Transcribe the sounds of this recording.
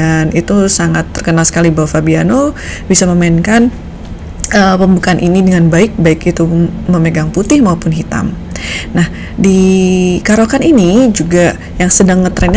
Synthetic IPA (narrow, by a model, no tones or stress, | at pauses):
anit̪usaŋat̪ːərkənalsə̥kalibawafabianobisaməmainkan | əpəmbukanʔinidəŋanbaɪk̚baɪkit̪uməməɡaŋput̪ɪhmaupʊnɦit̪a̰m | nah | dikaɾokaninid͡ʒuɡa | jaŋsədaŋmət̪ɾɛnɲ